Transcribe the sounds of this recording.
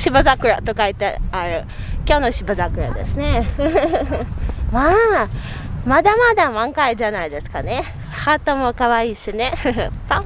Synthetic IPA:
ɕibɯzakɯ̟ɾa̰t̪o̞kait̪eaɾɯ̟ | kʲonoɕibɯ̟zakɯ̟ɾa̰d̪e̞̰sɨne̞ | maː | mad̪amad̪amãŋkaiʑanaid̪e̞sɨ̥kane̞ | hat̪omokaβaiːɕine̞pã

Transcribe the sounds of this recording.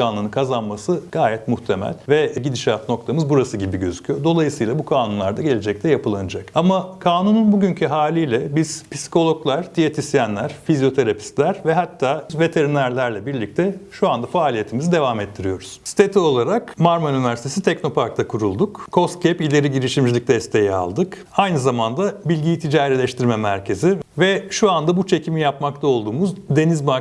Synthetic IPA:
aːnunɯnkʰazanmasɯɡ̥aːjɛt̪muxt̪ʰe̞mæ̰lʲvɛɟid̪iʃat̪no̞k̚t̪ʰamɯzbuɾasɯɟibiɟø̞zycʰyjod̪o̞lˠajɯsɯjlˠabukʰaːnunlˠaɾd̪aɟe̞lʲed͡ʒɛc̚t̪ʰɛjapɯlˠːanɯd͡ʒakamakʰaːnununbuɟyncʰyɦaːlʲijlʲɛbiz̥pʰisi̥kʰo̞lʲˠo̞klˠaɾ̥d̪ijet̪ʰisijænlʲæɾ̥fizjo̞t̪ʰe̞ɾapʰi̥st̪lʲæɾ̥vɛɦat̪ʰːaːzve̞t̪ʰe̞ɾinæɾlʲæɾlʲɛbiɾlʲic̚t̪ʰɛʃuand̪afaːlʲije̞t̪ʰimizid̪e̞vaːmɛt̪ʰːiɾijo̞ɾuz̥si̥t̪ʰe̞t̪ʰio̞lˠaɾakmaɾmynivæɾsit̪ʰe̞sit̪ʰɛkno̞paɾk̚t̪ʰakʰuɾulˠd̪ukkʰo̞st̪cʰepilʲe̞ɾiɟiɾiʃimd͡ʒilʲic̚d̪ɛst̪ʰe̞jɛa̰lˠd̪ɯk | ajnɯzamand̪abilʲɟijt̪ʰid͡ʒaːɾelʲɛʃt̪ʰiɾmɛmæ̰ɾcʰe̞zivɛʃuand̪abut͡ʃʰe̞cʰimijapmak̚t̪ʰao̞lˠd̪uːmuzd̪e̞nizba

